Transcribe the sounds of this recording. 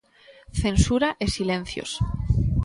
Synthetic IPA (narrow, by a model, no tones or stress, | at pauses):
θensuɾaʔesilẽn̟θjo̰s